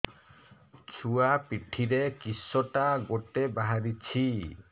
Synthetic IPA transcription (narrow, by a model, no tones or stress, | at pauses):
t͡ʃʰuapiʈʰiɾekisːɔʈaɡoʈebaɦaɾit͡ʃʰi